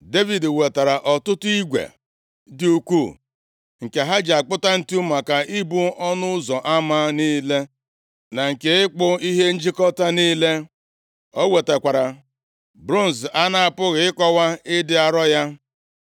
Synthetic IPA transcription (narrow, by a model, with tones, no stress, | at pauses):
de˦vi˨dwe˨ta˨ɾa˨ʔɔ˨tʊ˦tʊ˦i˦ɡʷḛ˨ | dɪ˦u˦kʷu˦˨ | ŋ̩˨ke˨ɦa˦d͡ʒa˨k͡pʊ˦ta˦n̩˦tu˦ma˨ka˨ʔi˦bu˦ɔ˦nʊ˦ʊ˦zɔ˨ʔa˦ma˦niː˦le˦ | na˨ŋ̩˨ke˨ɪ˦k͡pʊ˦i˦ɦe˦n̩˦d͡ʒi˦kɔ˦ta˦niː˦le˦ | o˦we˨te˨kʷa˨ɾa˨ | bɾu˦n̩˨sa˦na˦a˨pʊ˦ɣɪ˨ɪ˦kɔ˦wa˦ɪ˦dɪ˦a˨ɾɔ˦ja˦